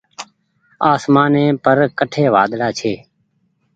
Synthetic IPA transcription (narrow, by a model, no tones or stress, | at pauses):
aːsmaːnẽːpəɾkəʈʰeːʋaːd̪ɽaːt͡ʃʰeː